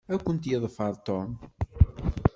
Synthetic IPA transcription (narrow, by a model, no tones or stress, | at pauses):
ækʷːənt̪jɪðˤfəɾˤt̪ɔn